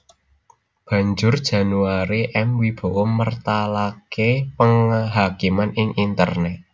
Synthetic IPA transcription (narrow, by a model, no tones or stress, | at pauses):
b̥ä̤ɲd͡ʒʊrd̥ʒ̥ä̤nuaɾiʔɛmwib̥o̤ʔomərt̪alakepəŋɦakimanɪŋint̪ə̰rnɛ